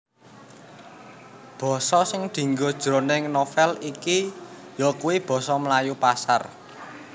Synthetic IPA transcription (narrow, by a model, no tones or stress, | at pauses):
b̥ɔ̤sɔsɪŋd̪̥i̤ŋɡod̥ʒ̥ɾo̤neŋnofɛliki | jɔkuwib̥ɔ̤sɔmlajupasa̰r